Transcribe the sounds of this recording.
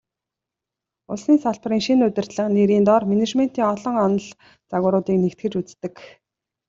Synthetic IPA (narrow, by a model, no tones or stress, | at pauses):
ʊɮsniːnsaɮpriːŋʃinʊt̪ɪ̆rt̪ɮə̆qneɾiːnt̪ɔrmenet͡ɕmen̥t̪iːŋɔɮɞ̆ŋɔnɞ̆ɮ | t͡saɣʊːɾʊːt̪iːknekt̪ɡɘ̆t͡ɕut͡st̪ɘ̆k